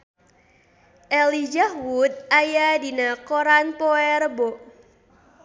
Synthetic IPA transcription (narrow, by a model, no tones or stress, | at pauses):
ʔɛlid͡ʒahwut̪̚ajadinakoɾanpɔɛrəboʔ